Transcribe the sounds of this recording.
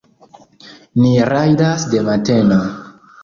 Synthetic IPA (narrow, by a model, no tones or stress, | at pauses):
niɾajdasde̞mate̞na